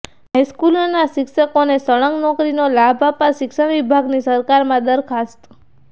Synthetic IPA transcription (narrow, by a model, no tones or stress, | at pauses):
ɦajskulonaʃɪkʃəkonesəɭəŋɡnɔkɾinolabʱapaʃɪkʃaʋibʱaɡnisəɾkaɾmãd̪əɾkʰast̪